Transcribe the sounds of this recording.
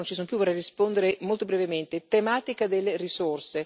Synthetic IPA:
ont͡ʃisuːnopjuvɔrːɛjrispond̪eɾemolt̪obɾɛvement̪et̪emaːt̪ikad̪elːerisorse

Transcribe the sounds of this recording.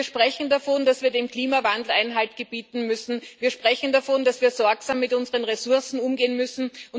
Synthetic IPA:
ɐʃpʁ̥ɛçn̩dafondasv̥iːɐdeːmkl̥iːmavandl̩aɪnɦaltɡ̥əb̥iːtn̩mʏsn̩viːɐʃpʁ̥ɛçn̩dafond̥asv̥iːɐzɔɐksaːmːɪtʔʊnzəʁənʁesʊɐsn̩ʊmɡeːənmʏsn̩ʔʊn

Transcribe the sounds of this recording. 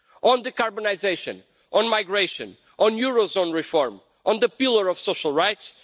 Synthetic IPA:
ʔɔ̃nd̪ɨkaɹbɔnajzeʃɔ̰̃n | ʔɔ̃nmajɡɹeʃɔ̰̃n | ʔɔ̃njuɹozõnɹifɔɾm | ʔɔ̃nd̪ɨpilˠəɹɔv̥soʃalˠɹajts

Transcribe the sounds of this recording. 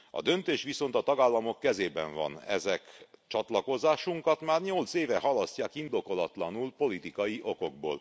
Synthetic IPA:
ɒ̰d̪ø̞nt̪eːʃʋiso̞nt̪ɒt̪ɒɡaːlːɒmo̞kːɛzeːbɛɱvɒ̰nɛ̰zɛkt͡ʃɒt̪lɒko̞zaːʃuŋkɒt̪maːrɲolt̪seːvɛɦɒlɒscaːkind̪o̞ko̞lɒt̪lɒnulpo̞lit̪ikɒjiʔo̞ko̞ɡ̚bo̰ːl

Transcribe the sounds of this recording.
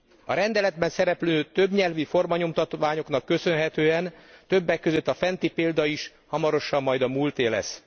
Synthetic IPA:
ɒɾɛnd̪ɛlɛd̪̚bɛnsɛɾɛpløːt̪øbɲɛlvifo̞rmɒɲo̞mt̪ɒt̪ʋaːɲo̞knɒkːø̞sø̞nɦɛt̪øːɛnt̪øbːɛkːø̞zø̞t̪ːɒfɛnt̪ipeːld̪ɒiʃ | hɒmɒɾo̞ʃɒmːɒjd̪ɒmuːlt̪eːlɛ̰s

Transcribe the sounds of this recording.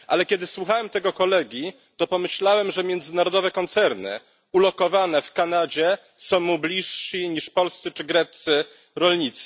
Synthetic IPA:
ʔalɛkʲjɛd̪ɘswuxawɛmt̪ɛɡɔkɔlɛɡʲji | t̪ɔpɔmɘɕlawɛmʐɛmʲjɛnd̪zɘnaɾɔd̪ɔvɛkɔnt̪sɛɾnɘ̰ | ulɔkɔvanɛfkanad͡ʑɛ | sɔ̃w̃mublʲiʂːiɲiʂpɔlst̪sɘt͡ʂɘɡɾɛt̪sɘ | ɾɔlɲit̪sɘ̥

